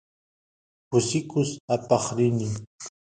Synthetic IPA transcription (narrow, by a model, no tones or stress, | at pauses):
kʊsɪkʊsapɑχɾɪnɪ